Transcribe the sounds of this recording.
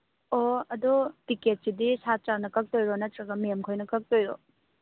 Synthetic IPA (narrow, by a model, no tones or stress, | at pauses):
oɐdotiket̚sidisat͡ʃanɐkɐk̚tojɾonɐtɾɐɡɐmemkʰojnɐkɐk̚tojɾo